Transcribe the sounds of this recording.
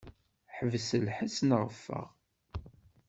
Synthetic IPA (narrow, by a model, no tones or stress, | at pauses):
ħəvsəlħəsnʁəfːə̰ʁ